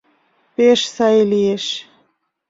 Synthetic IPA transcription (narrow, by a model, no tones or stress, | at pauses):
peʃsɑjlieʃ